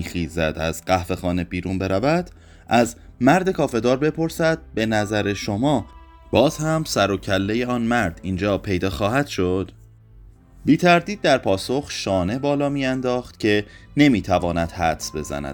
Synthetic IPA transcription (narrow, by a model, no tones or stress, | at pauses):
ixiːzæ̰d̪æ̰zɢæhfe̞xɒːne̞biːɾuːnbe̞ɾævæd̪̥ | ʔæzmæɾd̪e̞kʰɒːfe̞d̪ɒːɾbe̞pʰo̞ɾsæd̪̥̚be̞næzæɾe̞ʃo̞mɒː | b̥ɒːz̥hæmsæɾo̞cʰælːe̞je̞ɒːnmæɾd̪̥ind͡ʒɒːpʰe̞jd̪ɒːxɒːɦæd̪̥ʃo̞d̪̥ | biːt̪ʰæɾd̪iːd̪̚ːæɾpʰɒːso̞xʃɒːne̞bɒːlɒːmiːænd̪ɒːxt̪cʰe̞ne̞miːt̪ʰævɒːnæd̪̥hæt̪sbe̞̰zæ̰næ̰d̪